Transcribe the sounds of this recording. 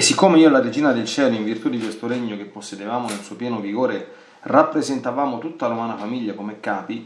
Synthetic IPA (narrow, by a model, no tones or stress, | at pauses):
sːikːoːmeiːoladed͡ʒiːnad̪elt͡ʃɛːloiɱvirt̪ud̪ikwest̪oɾeɲːok̟epːosːjed̪evaːmonelsuːopjɛːnoviɡoːɾe | rapːɾezent̪avaːmot̪ut̪ːalomaːnafamiʎːakomɛkːaːpi